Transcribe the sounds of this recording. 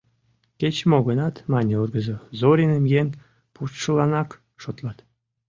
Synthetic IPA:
kʲet͡ɕmoɣənɑt̪mɑnʲeurɡəzəzoɾʲinemjen | put̪ʃəlɑnɑk | ʃot̪lɑt̪

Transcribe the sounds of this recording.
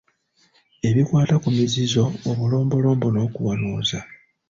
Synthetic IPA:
e̞βikwaːtakumizizo̞ːβulo̞ːmbo̞lo̞ːmbo̞no̞ːkuwanuːza

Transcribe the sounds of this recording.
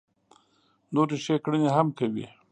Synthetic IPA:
noɾiʃekɽəneɦamkawḭ

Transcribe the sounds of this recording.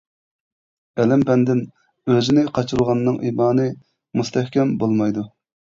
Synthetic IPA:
ɛlɛmpɛnd̪ɪn | øzɪnɪqʰɑt͡ʃʰuɾuʁɑnːɨŋʔimɑːnɨ | must̪ʰɛhkʲɛmbolˠmɑjd̪u

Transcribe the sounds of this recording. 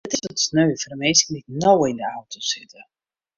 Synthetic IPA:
ətɪsɔtsnøːfədəmeːskənitnowɪndəawtʰosɪtə

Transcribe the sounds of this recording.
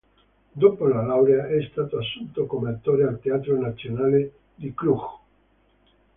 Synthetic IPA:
d̪oːpolalawɾeaʔɛst̪aːt̪oasːunt̪okomeat̪ːoːɾealt̪eaːt̪ɾonat̪sːjonaːle | d̪iklux

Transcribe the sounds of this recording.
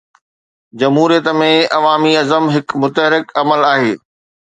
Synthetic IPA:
d͡ʑɐmɦuːɾijət̪mẽɐʋaːmiɐzəmɦɪkmʊt̪əɦɾɪkɐməlaːɦeː

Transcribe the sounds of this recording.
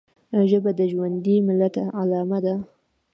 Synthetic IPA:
ʒəbad̪əʒwand̪imɪlat̪alɑmad̪a

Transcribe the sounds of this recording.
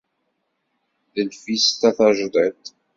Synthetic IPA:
ðəlfist̪aθæʒd̪ˤɛt̪

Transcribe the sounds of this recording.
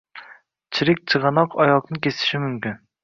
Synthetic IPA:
t͡ʃʰiɾɪk̚ʲt͡ʃʰɨʁɑnɑqʰɑjɑqnɨkʲʰesɪ̥ʃimymkʲyn

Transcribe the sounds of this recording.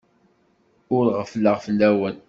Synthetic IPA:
ʊɾʁəfləʁfəlːæwæn

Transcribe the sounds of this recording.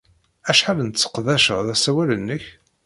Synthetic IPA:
æʃħalənt͡sːə̥qðæʃəʁðæsæwælənːəç

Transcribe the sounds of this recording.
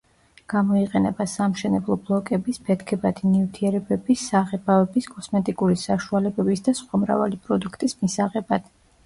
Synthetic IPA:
ɡ̥amɔiqʼɛnɛbasamʃɛnɛblˠɔblˠɔkʼɛbispʰɛt̪ʰkʰɛbad̪inivt̪ʰiɛɾɛbɛbisːaʁɛbavɛbiskʼɔsmɛt̪ʼikʼuɾisaʃualɛbɛbisd̪asχwamɾa̰va̰lipʼɾɔd̪ukʰt̪ʼismisaʁɛbad̪̥

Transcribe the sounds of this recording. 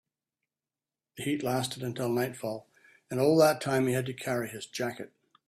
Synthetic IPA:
ðɨhitˡlæstɨɾɨ̃ntʰɪlˠnaɪtfɔlˠ | ɨ̃nɔlˠðətʰãɪ̃miɨd̚tɨkʰɛɹiɪzd͡ʒækɨt̚

